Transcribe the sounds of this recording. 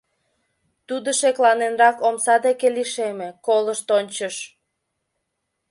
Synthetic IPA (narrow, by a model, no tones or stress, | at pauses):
t̪ud̪oʃeklɑnenrɑkomsɑd̪ekeliʃemekoləʃt̪onʲt͡ɕəʃ